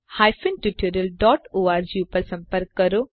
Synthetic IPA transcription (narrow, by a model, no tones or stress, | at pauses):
hajfinʈuʈʰiɾəlɖɔːʈoːaːɾd͡ʑiupəɾsɐ̃mpəɾkːəɾo